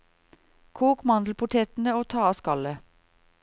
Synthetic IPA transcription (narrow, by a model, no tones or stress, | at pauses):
kʰuːkmɑnd̪l̩pʊʈ̪ʰeːt̪n̩əoːt̪ʰɑːɑskɑlə